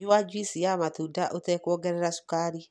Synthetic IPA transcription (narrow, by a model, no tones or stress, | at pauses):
uwad͡ʒwisijamatodaʔotɛkɔɡɛɾɛɾasu̥kaɾi